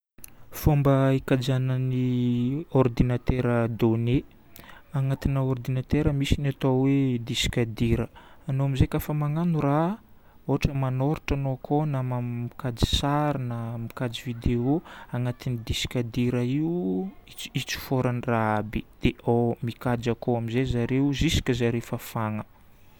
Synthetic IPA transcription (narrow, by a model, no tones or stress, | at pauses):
fombəikad͡ʒanəni | ɔrd̪inat̪eɾəd̪one | aŋat̪inəord̪inat̪eɾəmisinat̪owed̪isi̥kad̪iɾəanoamizekafəmaŋanuɾa | oaʈ͡ʂəmanoɾiʈ͡ʂanoakʰonamammikad͡ʒi̥saɾinamikad͡zivid̪eoaŋat̪inid̪isi̥kad̪iɾəiuiit͡si̥foɾaniraabid̪̥eʔomikad͡ʒakoamizezaɾeuzisi̥kʲəzaɾefəfaŋə